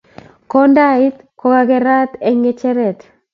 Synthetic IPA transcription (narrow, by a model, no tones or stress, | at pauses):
kondait̪ | koɡaɡeɾat̪eŋet͡ʃɛɾɛt̪